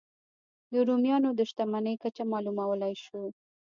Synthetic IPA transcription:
d̪əɾumjɑnod̪əʃt̪amanəjkat͡ʃamɑlumawəlajʃu

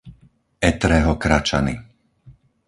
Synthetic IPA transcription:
ɛt̪ɾɛːɦɔkɾat͡ʃa̰nḭ

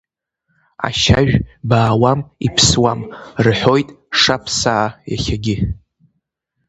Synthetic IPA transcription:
a̰ʃaʒᶣbaːwamipʰswamrħʷo̞jtʼʂapʰsaːja̰χʲaɡʲɪ

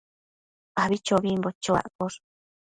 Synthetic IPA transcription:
aβit͡ʃoβimbot͡ʃoa̰ʔkoɾ

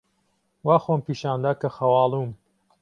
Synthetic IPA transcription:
waːxompiːʃaːnd̪aːkɐxɐwɑːlˠuːm

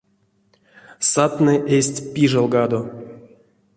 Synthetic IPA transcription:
sat̪nɨʔesʲtʲpʲiʐalˠɡad̪o

